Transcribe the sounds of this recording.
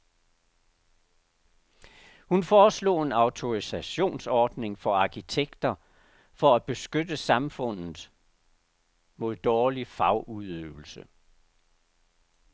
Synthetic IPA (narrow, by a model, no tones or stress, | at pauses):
hunfɒːslo̝̰ːe̝nɑ̈ʊt͡sʰo̝ʁisæɕo̝̰ːnsɒːd̥ne̝ŋfɒ̽ɑ̈kʰit͡sʰeɡ̥d̥ɐ | fɒ̽æ̥b̥e̝sɡ̥ød̥əsɑ̈mfɔ̽n̰ð̩ˠ | mo̝ð̞̰ˠd̥ɒːlifɑ̈ʊuðˠøːʊl̩sə